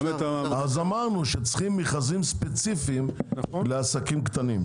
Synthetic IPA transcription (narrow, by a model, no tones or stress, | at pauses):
azamaʁnuʃet͡sχimːiχazimspet͡sifiːmleasakimkt̪anim